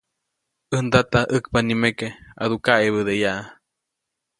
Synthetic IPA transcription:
ənd̪at̪aʔək̚panimekea̰ðukaʔeβəðejaʔa

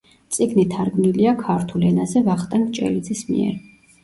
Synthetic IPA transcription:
t̪sʼiɡnit̪ʰaɾɡmniliakʰaɾt̪ʰulɛnazɛvaχt̪ʼanmt͡ʃʼɛ̰lid̪zismḭɛ̰ɾ

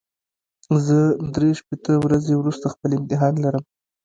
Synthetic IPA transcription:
zəd̪ɾeʃpet̪əwɾazewɾust̪axpəlɪmt̪ɪɦɑnlaɾəm

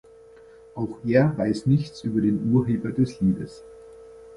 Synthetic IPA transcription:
ʔaʊxʔeːɐvaɪsnɪçt͡sʔyːbɐdeːnʔuːɐɦeːbɐdɛsliːdəs

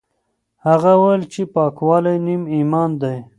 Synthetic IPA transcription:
haɣawalt͡ʃepɑːkwɑlajnimimɑnd̪aj

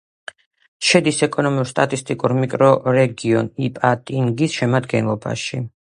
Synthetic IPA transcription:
ʃɛd̪isɛkʼɔnɔmuɾst̪ʼat̪ʼist̪ʼikʼuɾmikʼɾɔɾɛɡiɔnipʼat̪ʼiŋɡisʃɛmad̪ɡɛnlˠɔba̰ʃi

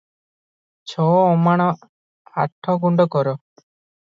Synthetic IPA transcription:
t͡ʃʰɔɔmaɽ̃ɔ | aʈʰːɔɡuɳɖɔkɔɾɔ

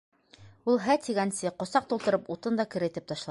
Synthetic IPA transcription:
ulˠɦæt̪iɡænsɘqŏsɑq̚t̪ulˠt̪ɤ̆ɾɤput̪ɤnd̪ɑkɘ̆ɾɘ̆t̪ɘp̚t̪ɑʃlˠɑ

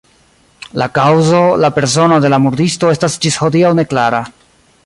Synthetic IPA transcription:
lakawzo̞lape̞ɾso̞no̞de̞lamuɾdisto̞e̞stasd͡ʒisho̞diawne̞klaɾa

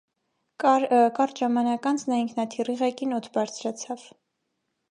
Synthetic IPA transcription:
kɑrʒɑmɑnɑkɑnt͡sʰnɑiŋkʰnɑt̪ʰiriʁɛkinɔt̪ʰbɑɾt͡sʰɾɑt͡sʰɑv̥

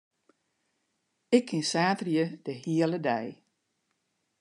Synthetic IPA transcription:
ɪkʰːɪnsaːtrjəd̥əhiələdɛj

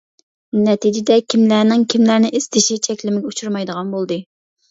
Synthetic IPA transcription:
nɛt̪id͡ʒɪd̪ɛkʲʰimlæːnɪŋkʲʰimlæɾnɪʔez̥t̪ɪʃit͡ʃʰɛkʲlɪmɪɡʲɛut͡ʃʰuɾmɑjd̪əʁɑnbolˠd̪ɨ

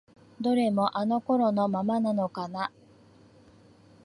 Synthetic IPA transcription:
d̪o̞ɾe̞mo̞ʔano̞koɾo̞no̞mamanano̞kana

